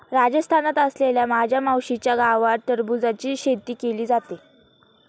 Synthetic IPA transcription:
ɾad͡zəst̪ʰanat̪əsleljamad͡ʑʱjamawɕit͡ɕjaɡaʋaɾt̪əɾbud͡zat͡ɕiːɕet̪iːkeliːd͡zat̪e

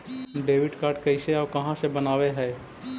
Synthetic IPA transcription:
nɖeːʋɪɖkaːɾɖkɐɪseakɐɦãsebɐnaːʋeɦɛː

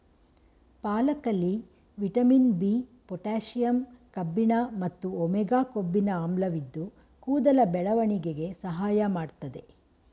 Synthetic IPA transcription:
paːlɐkɐlːi | ʋiʈɐminbiːpɔʈaːʃijɐmkɐbːinamɐt̪ːuɔmɛɡaːkobːinɐaːmlɐʋid̪ːu | kuːd̪ɐlɐbɛɭɐʋɐɳiɡeɡe̞sɐɦaːjɐmaːɽt̪ɐd̪e̞

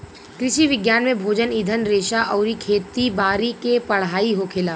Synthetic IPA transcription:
kɾɪʃiʋɪɡjaːnmẽbʱoːd͡ʒənɪd̪ʱənɾeːʃaʔɔːɾikʰeːt̪ibaːɾikepɐɽ̤aːiɦokʰɪlaː

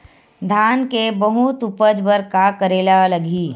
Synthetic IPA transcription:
d̪ʱaːnkebɐɦut̪ʊpəd͡ʒbəɾkakəɾeːlalɐɡiː

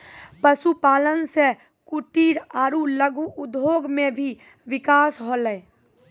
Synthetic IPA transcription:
pəsupaːlənse | kuʈiːɾaːɾuləɡʱuʊd̪ʱːoːɡmẽbʱi | ʋɪkaːsɦoːləe

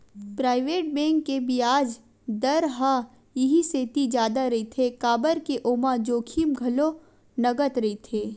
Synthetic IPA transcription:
pɾaːɪʋeːʈ̚bɛ̃ːŋkːebʱiaːd͡ʒ | d̪ɐɾɦa | jɪɦiseːt̪id͡ʒaːd̪aɾɐit̪ʰekaːbəɾkeʔoːmad͡ʒoːkʰiːmɡʱɐlo | nɐɡət̪ɾɐit̪ʰeː

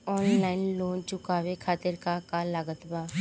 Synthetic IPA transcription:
ɔːnlaːɪnloːnt͡ʃʊkaːʋekʰaːt̪ɪɾkakalaːɡət̪baː

